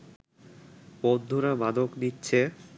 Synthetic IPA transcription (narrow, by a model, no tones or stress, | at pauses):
bod̪ʱːuɾabad̪ʱoknitːɕʰe